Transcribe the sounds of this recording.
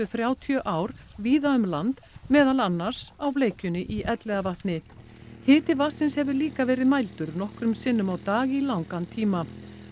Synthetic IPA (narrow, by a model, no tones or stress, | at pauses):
ʏθɾjaːwt̪ʰjœʔaːwɾ̥ | viːðaʏmlant̪ | mɛːðalanːaɾ̥sawvleːjcʏnɪʔiʔɛt̪lɛːɣavaht̪nɪ | hɪːt̪ɪvasɪnshɛvʏliːkavɛːɾɪðmajlt̪ʏɾnɔhkɾʏmsɪnːʏmawt̪aːɣilawŋkant̪ʰiːma